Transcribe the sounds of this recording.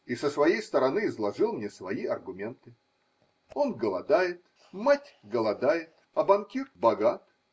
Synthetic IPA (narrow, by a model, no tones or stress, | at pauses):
isəsvɐjejst̪əɾɐnɨɪzlˠɐʐɨlˠmnʲesvɐiɐrɡʊmʲe̞nt̪ɨ | o̞nɡəlˠɐd̪ajɪt̪ | matʲɡəlˠɐd̪ajɪt̪̚ | ɐbɐnkʲirt̪bɐɡat̪